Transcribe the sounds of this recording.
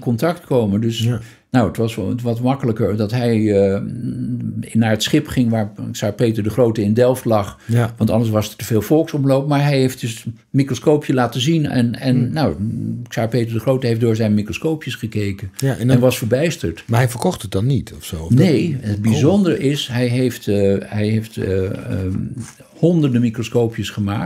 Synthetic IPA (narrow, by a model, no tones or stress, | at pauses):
kɔntɑktkowməndɵs | nowətʋɑsətʋɑtmɑkələkəɹdɑtɦɛj | naːɹətsχɪpχɪŋʋaːɹsaːɹpejtəɹdəχrowtəɪndɛlˠftlɑχʋɑntɑndəs̬ʋɑsətəv̥eːlˠfɔlˠksɔmlowp̚maːɹɦɛjɦejft̚dɵs | mikroskowpjəlaːtəzinɛ̰nɛnːawsaːɹpejtəɹdəχrowtəɦefdʊːɹzɛjnmikroskowpjəsχəkejkənjɛnʋɑsfəɹbɛjstəɹtmaɦɛjfəɹkɔχtət̚dɑnːitɔfsonejəd̚bizɔndərəʔɪsɦɛjɦejftɦɛjɦejft | hɔndəɹdəmikroskowpjəsχəma̰ːk̚t